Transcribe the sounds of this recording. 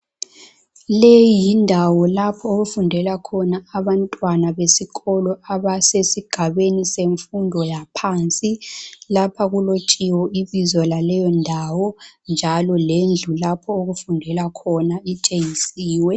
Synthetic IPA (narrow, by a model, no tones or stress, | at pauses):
lejindʱawɔlapʰɔoɣufundʱɛlakʰɔnaːβantʼwanaβesiɣɔlɔaβasesiɡ̥ʱaβeniseɱfundʱɔjapʰaːnt͡sʼilapʰaɣulot͡ʃʼiwɔiβizɔlalɛjɔndʱawɔnd͡ʒʱalɔlend͡ɮʱulapʰɔoɣufundʱɛlakʰɔnait͡ʃʼeŋisiːwɛ